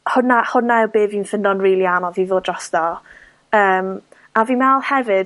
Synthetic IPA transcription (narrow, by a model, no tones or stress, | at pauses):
hʊnahʊnaɛbeːviːnfəndɔnriːlˠianɔviːvoːdrɔsd̥ɔ | əːm | aviːmɛlˠhɛvɨd